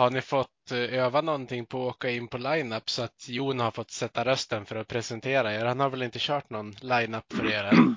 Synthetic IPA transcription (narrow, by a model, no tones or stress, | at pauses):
haɳɪfɔt̪ːøːvanɔnt̪ʰɪŋːpʰɔoːkaɪnːpʰɔlajnapːsɔat̪juːnhaɾfɔt̪ːsɛt̪ːaɾœst̪ənfœɾɔpʰɾɛsɛnt̪ʰeːɾaeːɾhanhaɾvɛlɪnt̪əɕœːʈnɔnlajnapːfœɾeːɾ